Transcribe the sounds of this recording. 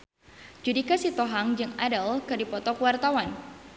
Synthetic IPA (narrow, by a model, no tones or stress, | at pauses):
d͡ʒudikasit̪ɔɦaŋd͡ʒɨŋadəlkɨrdipɔt̪ɔkuwart̪awan